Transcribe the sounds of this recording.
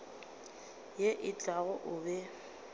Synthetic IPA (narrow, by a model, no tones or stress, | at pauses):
jeʔɪt͡ɬʼaɣʊʔʊːbɛ